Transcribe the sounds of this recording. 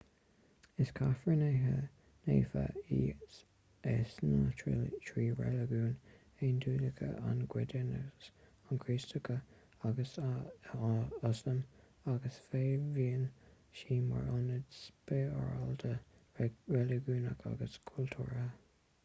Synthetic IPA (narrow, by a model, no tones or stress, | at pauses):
ɪskʰafɹəneɦə | nḛːfa̰is | ɛsnətʰɹiːɹɛləɡuːn | enduːləkʰə̰ʔa̰nɡwɪdɛnəs | ankʰɹiːstəkʰə | aɡəs | asəm | aɡəsfeːviːən | ʃiːma̰ɹɔnədspeːaɹaldə | ɹɛləɡuːnakʰa̰ɡəskʰultʰuːɹə